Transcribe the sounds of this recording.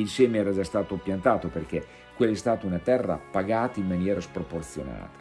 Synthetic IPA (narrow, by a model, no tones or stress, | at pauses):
ilsɛːmeɛːɾad͡ʒast̪aːt̪opjant̪aːt̪operk̟e | kwelːɛst̪aːt̪aunat̪ɛrːa̰paɡaːt̪aimːanjɛːɾaspɾoport̪sjona̰ːt̪ḁ